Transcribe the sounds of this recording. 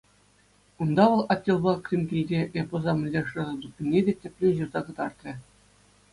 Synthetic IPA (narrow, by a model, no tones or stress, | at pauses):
und̪ɑʋɤ̆lˠɑtʲːelˠbɑkrʲimʲkʲilʲdʲeʔepɤ̆zɑmʲɘ̆lʲdʲeʂɤ̆zɤ̆d̪ukʲːɘ̆nʲːedʲetʲɘ̆pʲlʲenʲʑurzɑkɤ̆d̪ɑrt̪rʲɘ̆